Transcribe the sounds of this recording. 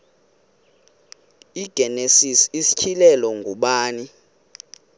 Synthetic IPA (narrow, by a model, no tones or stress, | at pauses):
iɡ̥ʱɛnesisisi̥t͡ʃʰilɛlɔŋɡʱuɓaːni